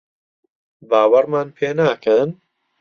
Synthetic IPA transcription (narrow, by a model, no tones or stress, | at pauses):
baːwɐɾmaːnpʰeːnaːkʰən